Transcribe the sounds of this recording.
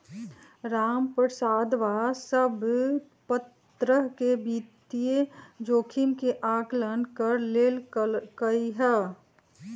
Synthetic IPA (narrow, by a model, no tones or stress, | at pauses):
ɾaːmpɾəsaːd̪ʋasəb | pət̪ | ɾəɦkebiːt̪ijed͡ʒoːkʰimkeʔaːklənkəɾleːlɡəiɦɛː